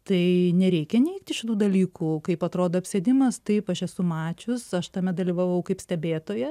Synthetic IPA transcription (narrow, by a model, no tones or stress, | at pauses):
t̪ɐɪnʲɛɾʲɛɪkʲɛnʲɛɪk̚t̪ʲɪʃʲɪt̪uːd̪ɐlʲiːkuːkɐɪpɐt̪ɾoːd̪oːɐpʲsʲed̪ʲɪmɐst̪ɐɪpɐʃɛsʊmɑːt͡ʃʲʊsɐʃt̪ɐmʲɛd̪ɐlʲiːʋɐʋɐʊkɐɪpsʲt̪ʲɛbʲeːt̪oːjɛ